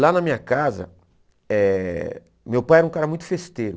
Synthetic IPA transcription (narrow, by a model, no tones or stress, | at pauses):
lanɐmĩɲɐkazɐ̰ | ɛ | mewpajɛɾũkaɾɐmũj̃t̪ʊ̥fest̪eɾʊ